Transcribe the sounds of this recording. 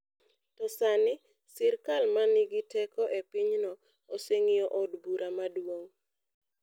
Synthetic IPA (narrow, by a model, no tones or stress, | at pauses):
tɔsanɪ | sɪɾkalmanɪɡɪtɛkɔʔepiɲnɔ | oseŋɪjɔʔɔdbuɾʔamadwoŋ